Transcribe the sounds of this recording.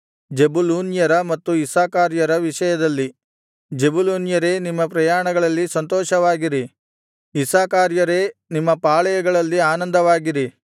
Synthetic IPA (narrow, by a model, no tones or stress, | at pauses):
d͡ʒebuluːnjɐɾɐmɐt̪ːuisaːkaːɾjɐɾɐʋiʂɐjɐd̪ɐlːi | d͡ʒebuluːnjɐɾe̞ːnimːɐpɾɐjaːɳɐɡɐɭɐlːisɐnt̪ɔːʃɐʋaːɡiɾi | isaːkaːɾjɐɾe̞ːnimːɐpaːɭɐjɐɡɐɭɐlːiaːnɐnd̪ɐʋaːɡiɾi